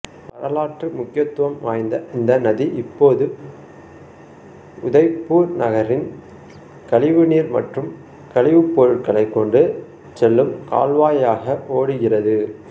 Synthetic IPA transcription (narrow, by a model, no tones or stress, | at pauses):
pɐ̰ɾɐlaːʈrɯmʊkːɪjɐt̪ːɯʋɐmʋaːjnd̪ɐɪnd̪ɐnɐðiʔɪpːoːðɯ | ʊðɐɪpːuːɾnɐɣɐɾɪn | kɐɭɪʋɯniːɾmɐ̰ʈrɯm | kɐɭɪʋɯpːɔɾɯʈ̚kɐɭɐɪkːɔɳɖɯ | sɛlːɯmka̰ːlʋaːjaːɣɐʔoːɽɯɣɪrɐðɯ